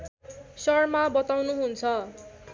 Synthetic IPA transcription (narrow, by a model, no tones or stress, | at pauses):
sʌrmabʌt̪awnuɦunt͡sʰʌ